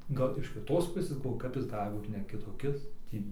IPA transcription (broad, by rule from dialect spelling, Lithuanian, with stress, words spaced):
ˈɡɐlˠ ɪʃ kʲɪˈtoːs ˈpʊsʲeːs ɡɐlˠˈʋoːjʊ ˈkɐp jɪs ˈɡɑːlʲɪ ˈbuːt nʲɛ kʲɪtoːˈkʲɪs ˈtʲiː